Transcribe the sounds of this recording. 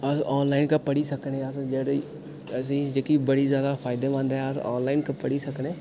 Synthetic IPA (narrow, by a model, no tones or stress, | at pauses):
əsɔːnlaːɪnkapəɽiːsəkneːəsd͡ʒəɽ | əsĩːd͡ʒəkiːbəɽiːzjaːd̪aːfʰaːɪd̪eːmãːnd̪ɦɛəsɔ̰ːnlaːɪnkapəɽiːsəkneː